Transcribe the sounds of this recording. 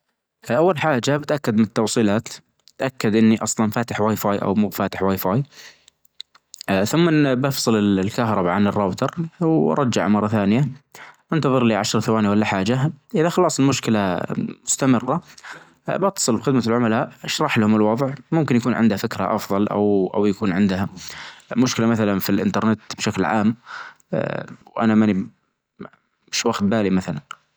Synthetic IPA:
ʔawːalħaːd͡ʒabɪt̪ʔakːad̪mɪnɪt̪ːɑwsˤiːlaːt̪ | ɪt̪ʔakːad̪ʔɪnːiʔɑsˤlɑnfaːt̪ɪħwajfaːjʔa̰wmuːbfaːt̪ɪ̥ħwajfaːj | θʊmːabɑfsˤɨlɪlkaɦɾˤɑbaʕanɪrˤːɑːbt̪ɑɾˤwʔɑ̰ɾˤɑd͡ʒːa̰ʕmɑrˤːɑθaːnɪjaʔant̪ɑðˤɨɾliːʕaʃɾˤθawaːniwalːaħaːd͡ʒaʔɪðaxɑlɑːsˤɪlmʊʃkɪlamʊst̪amɪrːa | bɑt̪ːɑ̥sˤɨlbxɪd̪malʕʊmalaːʔʃɾˤɑħlahʊmɪlwɑðˤʕmʊmkɪnjakuːnʕɪ̰nd̪hafɪkɾa̰ʔɑfðˤɑlʔa̰wʔa̰wjakuːnʕɪnd̪hamʊʃkɪlamaθalanfilʔɪ̰nt̪ɑɾˤnɪt̪bʃaklʕa̰ːm | wʔa̰namani | mɪʃwaɡt̪̚baːlimaθalan

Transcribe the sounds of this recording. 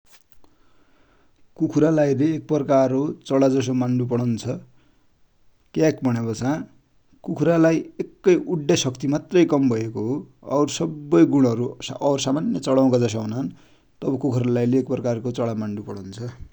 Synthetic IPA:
kukʰuɾalajleːk̚pʌrkarot͡sʌɽad͡zʌs̬omaɳɖupʌɽʌnt͡sʰʌ | kakbʱʌɽ̃ebʌt͡sʰã | kukʰuɾalajekːʌjʔuɖjasʌkt̪imat̪rʌjkʌmbʱʌjekoɦo | ʌɾsʌbːʌjɡuɽ̃ɦʌɾuʌɾsamanjʌt͡sʌɽaũkad͡zʌsaɦunan | t̪ʌbʌkukʰuɾalajleːkprʌkarkot͡sʌɽamaɳɖupʌɽ̃ʌwnt͡sʰʌ

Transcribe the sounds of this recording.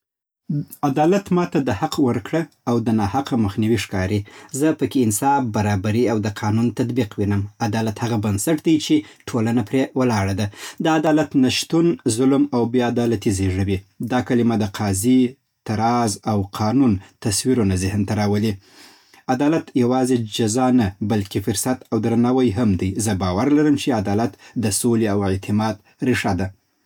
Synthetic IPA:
ad̪ɑlat̪mɑt̪ad̪əhaqwəɾkɽaawd̪ənɑhaqaməxniwiʂkɑɾizəpəkeɪnsɑfbaɾɑbaɾiawd̪əqʰɑnunt̪at̪biqwinəmad̪ɑlat̪haɣabansaʈd̪ajt͡ʃeʈʰolanapɾewəlɑɽad̪ad̪əad̪ɑlat̪naʃt̪unzʊlmawbjɑad̪ɑlat̪izeʐəwid̪ɑkalɪmad̪əqʰɑzi | t̪aɾɑzawqʰɑnunt̪aswiɾonazɪhnt̪aɾɑwəli | ad̪ɑlat̪jawɑzed͡ʒazɑnabalkefʊɾsat̪awd̪ɾanawajɦamd̪ajzəbɑwaɾlaɾəmt͡ʃead̪ɑlat̪d̪əsoleawet̪ʰɪmɑd̪̚ | ɾɪʂad̪a

